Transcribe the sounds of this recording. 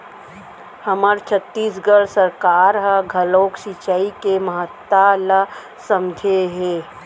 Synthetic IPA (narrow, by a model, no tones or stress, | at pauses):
həməɾt͡ʃʰət̪ːiːs̬ɡəɽsəɾkaːɾɦɡʱəloːkʃit͡ʃaːikeməɦət̪ːalə | səmd͡ʒʱeɦeː